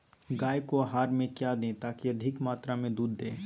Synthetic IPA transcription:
ɡaːjkoɦaːɾmẽkjad̪ẽt̪aːkiɐd̪ʱɪkmaːt̪ɾamẽd̪uːd̪ːẽː

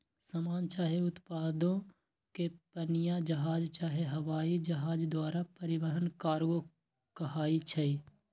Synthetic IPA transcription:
sɐmaːnt͡ʃaːɦeʊt̪paːd̪õ | kepənɪjad͡ʒɐɦaːd͡ʒt͡ʃaːɦeɦɐʋaːid͡ʒɐɦaːd͡ʒd̪waːɾapəɾɪʋəɦənkaːɾɡo | kɐɦaːit͡ʃʰɐiː

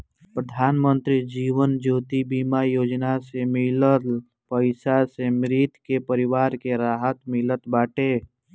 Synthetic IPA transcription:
pɾəd̪ʱaːnmənt̪ɾid͡ʒiːʋənd͡ʒoːt̪ibiːmajoːd͡ʒnasemɪlət | pəɪsasemɾɪt̪kepəɾɪʋaːɾkeɾaːɦət̪mɪlət̪baːʈe

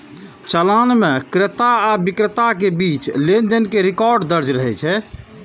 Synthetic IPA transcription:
t͡ʃəlanmekɾet̪aːbikɾət̪akebit͡ʃlend̪ənkeɾikɔɾɖd̪əɾd͡ʒɾəɦɛt͡ʃʰɛ

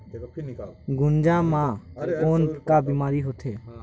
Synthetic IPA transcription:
ɡʊnd͡ʒãːmãːkoːnkaːbimaːɾiɦot̪ʰeː

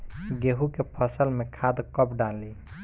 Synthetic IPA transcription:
ɡeɦukepʰəsəlmekʰad̪kəpɖali

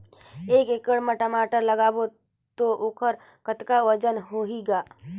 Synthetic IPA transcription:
eːkeːkəɽmẽʈəmaːʈəɾləɡaːbo | t̪oʔoːkʰəɾ | kət̪kaʋəd͡ʒənɦoɦiɡaː

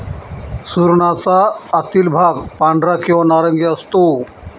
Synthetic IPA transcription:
suɾɳat͡saːt̪ilbʱaɡpaɳɖɾakĩʋanaɾəŋɡiəst̪o

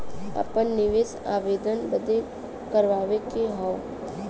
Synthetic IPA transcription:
ɐ̰pənːɪʋeːsaːʋeːd̪ənbəd̪e | kəɾʋaːʋekeɦɔʊ

